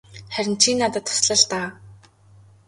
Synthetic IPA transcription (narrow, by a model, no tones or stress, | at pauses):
χæɾʲɪ̆nt͡ɕʰiːnːat̪ə̆t̪ʰːʊ̥sɮə̆ɮt̪aː